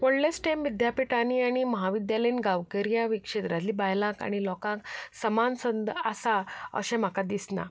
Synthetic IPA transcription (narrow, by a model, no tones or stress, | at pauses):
koɽlesʈemʋid̪japiʈaniaɽ̃iməɦaʋid̪jaləinɡaʋkəɾijaʋikʂet̪ɾat̪liːbajlãka̰ɽ̃ilɔkãksəmansənd̪asaə̰ɕɛ̃m̤akad̪isna̰